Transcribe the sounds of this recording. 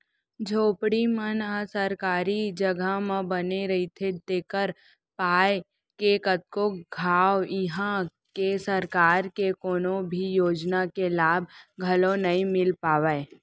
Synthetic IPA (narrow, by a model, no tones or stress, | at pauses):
d͡ʒʱoːpɽimənəsəɾkaːɾid͡ʒəɡʱamãbəneɾɐit̪ʰed̪eːkəɾ | paːe | kekət̪̚koɡʱaːɪɦã | kesəɾkaːɾkekoːnõbʱijoːd͡ʒnakelaːb̚ʱɡʱɐlõnɐɦĩmɪlpaːʋee